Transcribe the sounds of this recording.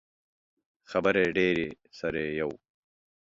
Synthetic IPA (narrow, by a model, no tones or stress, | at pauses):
xɐbɐɾeɖeːɾi | sɐɾejɐw